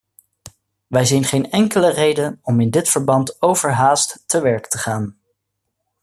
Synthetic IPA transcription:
ʋɛjzijnχejnɛŋkələrejdənɔmɪndɪtfəɹbɑntowvəɹɦaːstːəʋɛɹktəχaːn

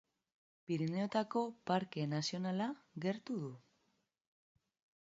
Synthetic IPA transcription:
piɾine̞ot̪ako̞paɾke̞nasio̞nalaɣe̞ɾt̪uð̞u

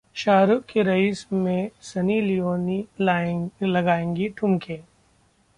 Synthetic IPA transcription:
ʃaːɾʊkkːeɾɐiːsmẽsɐnilijoːni | lɐɡaːẽːŋɡiʈʰʊmkʰẽː

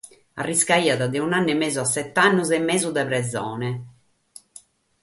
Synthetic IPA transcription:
a̰rːiskaiːaðad̪ɛunanːɛmeːzuasːɛt̪ːanːuzɛmːɛːzud̪ɛpɾɛzɔːnɛ

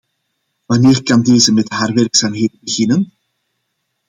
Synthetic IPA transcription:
ʋɑneːrkɑndeːzəmɛtɦaːrʋɛrksaːmɦeːt̚bəɣɪnən

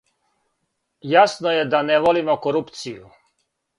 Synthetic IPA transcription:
jasnojed̪aneʋolimokoɾupt̪siju

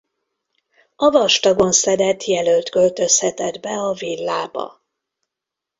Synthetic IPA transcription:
ɒvɒʃt̪ɒɡo̞nsɛd̪ɛt̪jɛlølt̪kø̞lt̪ø̞shɛt̪ɛd̪bɛɒvilːaːbɒ̰

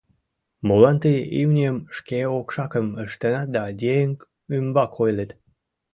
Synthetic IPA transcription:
molɑnt̪əjiwnʲiəmʃkeokʃɑkəməʃt̪ənɑd̪ɑd̪ʲejəŋk | ymbɑkʰojlet̪

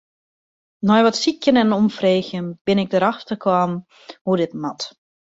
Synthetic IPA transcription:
nɔjʋɔtsikʰjənɛnnɔmfreːxjənb̥ɪnɪɡ̚dəɾaxtəkʰwaːm | hudɪtmat

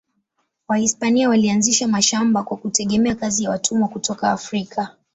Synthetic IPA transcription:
wahispaniawalianziʃamaʃambakwakutɛɠɛmɛakazijawatʰumɔkutɔkaːfɾikʰa

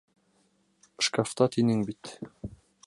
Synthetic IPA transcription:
ʃkaft̪ɑt̪inɘŋbit̪

